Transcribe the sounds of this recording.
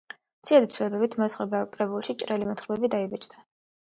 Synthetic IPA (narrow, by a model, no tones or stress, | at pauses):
t̪sʰiad̪it̪sʰlɛbɛbit̪ʰmɔsχɛbakʼɾɛbulˠʃit͡ʃʼɾɛlimɛt̪χɾbɛbid̪aibɛt͡ʃʼd̪a